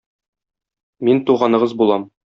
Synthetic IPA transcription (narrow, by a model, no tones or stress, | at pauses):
mint̪uʁɑnɤ̆ʁɤzbulˠɑm